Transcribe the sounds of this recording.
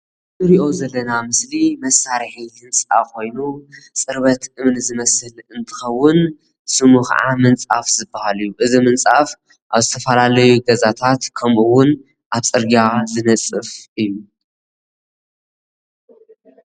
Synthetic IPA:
ɨɾiʔo̞zɐlːɐnamɨslimɐsːaɾħizɨnt͡sʼa̰kʰo̞jnut͡sʼɨɾβɐt̪ʔɨmnzɨmɐsɨlɨnt̪ʰɨ̥xɐwːʊn | sɨmuxɐ̰ʕa̰mɨnt͡sʼafzɨbːɐhalijuʔɨzimɨnt͡sʼaf | ʔaβzɨt̪ʰɐfɐlalɐjuɡɐzat̪ʰat̪kʰɐmʔuwʊn | ʔaβt͡sʼɨɾɡazɨnɐt͡sʼɨfʔɨjːu

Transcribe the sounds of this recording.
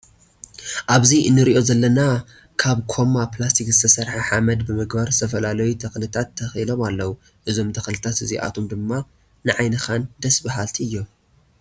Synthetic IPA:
ʔaβziɨnːɨɾiʔo̞zɐlːɐna | kʰaβkʰo̞maplast̪ʰikzɨt̪ʰɐsɐɾħaħamɐd̪bɨmɨɡbɐɾsɨ̥t̪ʰɐfɐlalɐjut̪ʰɐxlɨt̪ʰat̪ʰːɐxilo̞malːɐwu | ʔɨzo̞mt̪ʰɐxlɨt̪ʰat̪ɨziʔa̰t̪ʰomd̪ɨmːa | nɨʕajnɨxand̪ɐsbaɦalt̪ʰiɨjːo̞m

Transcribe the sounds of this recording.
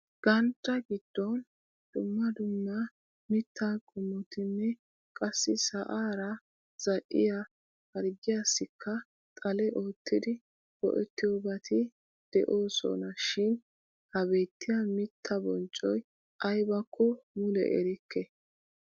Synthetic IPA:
ɡ̥ɐnt̪ːɐɡɪd̪̥ːɔn | d̪̥ʊmːɐd̪ʊmːɐ | mɪt̪ʰːaɡʼʊmːɔt̪ɪnːɛ | kʼɐsːɪsɐʔaːɾɐ | z̥ɐʔɪ̰ja | hɐɾɡɪjasːɪkʰːɐ | t̪ʼɐlɛʔo̞ːt̪ːɪd̪ɪ | bɔ̰ʔɛt̪ːɪjɔbɐt̪ʰɪ | d̪̥ɛ̰ʔo̞ːsɔ̰nɐʃɪn | hɐbe̞ːt̪ːɪjɐmɪt̪ʰːɐbɔnt͡ʃʼɔj | ʔɐjbɐkʰːɔmʊlɛ̰ʔɛ̰ɾɪkʰːɛ

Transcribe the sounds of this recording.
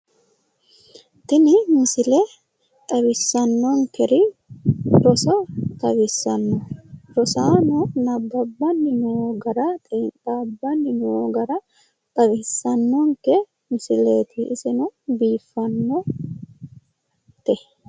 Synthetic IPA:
t̪ɪnɪmɪsɪle | t̪ʼɐbɪsːɐnːɔŋkɛɾɪ | ɾɔsɐt̪ʼɐbɪsːɐnːɔɾɔsaːnɔnɐbːɐbːɐnːɪnoɡɐɾɐt̪ʼt̪aːbːɐnːɪnoɡɐɾɐ | t̪ʼɐβɪsːɐnːɔŋkɛ | mɪsɪleːt̪ʰɪːsɪnɔbiːfːɐnːɔ | t̪ɛ

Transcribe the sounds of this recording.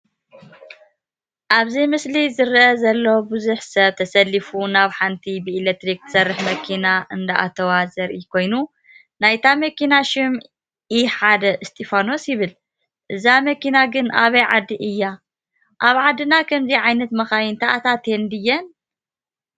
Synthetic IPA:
ʔaβzijmɨslizɨɾʔɐzɐlːobɨzuħsɐβt̪ʰɐsɐlːifunaβħant̪ʰibɨilek̚t̪ɾik̚t̪ɨsɐrːɨħmɐkʰinaʔɨnd̪aʔa̰t̪ʰɐwazɐɾʔikʰo̞jnu | najt̪ʰamɐkinaʃɪm | iħad̪ɐʔɨst̪ʰʼifano̞sjɪβɨl | ʔɨzamɐkinaɡɨnʔaβɐjʕad̪ːiʔɨjːa | ʔaβʕad̪ːɨnakʰɐmziʕajnɐt̪mɐxajɪnt̪ʰaʔat̪ʰat̪ʰend̪ɨjːɛn

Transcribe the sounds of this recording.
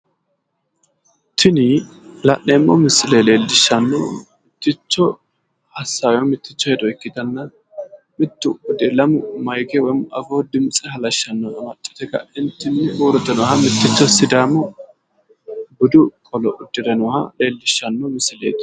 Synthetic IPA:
t̪ʰɪnɪ | lɐʔːeːmːɔmɪsɪlele̞ːlːɪʃːɐnːɔmɪt̪ːɪt͡ʃːɔ | hɐsːajɔmɪt̪ːɪt͡ʃːɔhɛd̪ɔɛkːɪt̪ɐnːɐ | mɪt̪ːʊʊd̪ɛlɐmʊmɐjkɛwɔjɪmɐ̰foːd̪ɪmt͡sʼɛhɐlɐʃːɐnːɔɐmɐt͡ʃʼːɛ̥t̪ɛkɐ̰ʔɪnt̪ːɪnɪwɔɾɔt̪ɛnɔhɐmɪt̪ːɪt͡ʃːɔsɪd̪aːmɔ | bʊd̪ʊkʼɔlɔʔʊd̪̥ːɪd̪ɛnɔhɐ̰le̞ːlːɪʃːɐnːɔmɪsɪlḛːt̪

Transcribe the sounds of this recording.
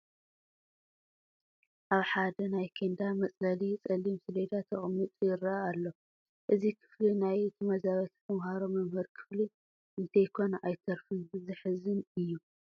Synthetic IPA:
ʔaβħad̪ɐnajkʰend̪amɐt͡sʼlɐlit͡sʼɐlimsɨled̪at̪ʰɐχʼmɨt̪ʼjɪɾɐalːo̞ | ʔɨzikʰɨ̥flinajt̪ʰɨmɐzaβɐt̪t̪ʰɐmhaɾomɐmhɨɾkʰɨ̥fli | ʔɨnt̪ʰɐjkʰo̞nʔajt̪ʰɐɾfɨbɨzɨħɨzɨnɨjːu

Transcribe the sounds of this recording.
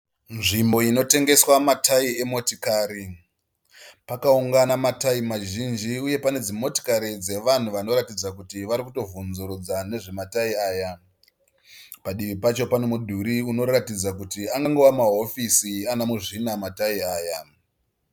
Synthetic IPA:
nʐimbo̞ino̞te̞ŋɡe̞swamataie̞mo̞tikaːɾi | pakauŋɡanamataimaʒind͡ʒiuje̞pane̞d͡zimo̞ti̥kaɾid͡ze̞ʋan̤uʋano̞ɾatid͡zakutiʋaɾikuto̞vunzuɾud͡zane̞ʐe̞mataiaːja | paɗiʋipat͡ʃo̞pano̞mudʱuɾiuno̞ɾatid͡zakutiaŋɡaŋɡoʋwamaɦo̞fisianamuʐinamataiaːja

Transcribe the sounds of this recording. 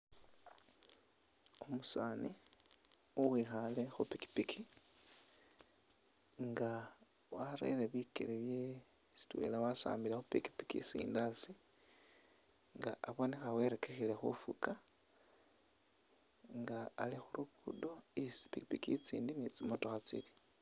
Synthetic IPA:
omusaːni | uwiːxale̞xupiki̥pikʰi | ŋɡa | waɾḛleβikḛleβje | si̥twe̞̰ːlawasa̰ːmbilexupiki̥pi̥kḭsḭːndasi | ŋɡaʔaβonexawe̞ɾe̞ke̞xilexṵfuka | ŋɡaːlixuɾukkudo̞isi̥pikipikit͡sḭːndinit͡simotoxat͡sḭli̥

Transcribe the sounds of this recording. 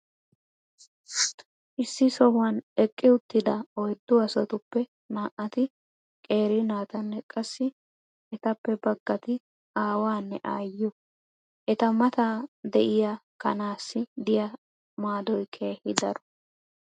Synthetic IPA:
ʔɪsːɪsɔwɐnɛkʼːɪʊt̪ːɪd̪ɐɔjd̪ːʊɐsɔt̪ʊpːɛ | naːʔːɐt̪ɪ | kʼe̞ːɾɪnaːt̪ɐnːɛkʼɐsːɪ | ʔɛt̪ɐpːɛbɐɡːɐt̪ɪ | ʔaːwaːnːɛʔaːjʊ | ʔɛt̪ɐmɐt̪ad̪ɛʔɪjakɐ̰naːsːɪd̪ɪjɐ | maːd̪ɔjkʰe̞ːhɪd̪ɐɾɔ̥

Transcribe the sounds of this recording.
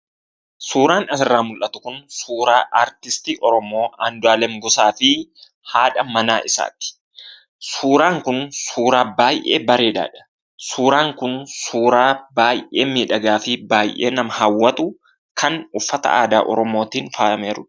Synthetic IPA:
suːɾaːnɐsɪrːaːmʊlʔɐt̪ʊ̥kʊnsuːɾaːʔaːɾt̪ɪst̪iːʔɔɾɔmo̞ːand̪ʊaːlɛmɡʊsaːfɪ | haːᶑɐmɐnaːʔɪsa̰ːt̪ɪ̥ | suːɾaːŋkʊnsuːɾaːbaːjʔḛːbɐɾe̞ːᶑa̰ːᶑɐ̥ | suːɾaːŋkʊnsuːɾaːbaːjʔeːmiːᶑɐɡaːfɪbaːjʔe̞̰ːnɐmɐhɐwːɐt̪ʊ | kʰɐnʊfːɐt̪ɐ̰ʔa̰ːd̪aːʔɔ̰ɾɔmo̞ːt̪iːnfaːɐmeːɾʊ̥

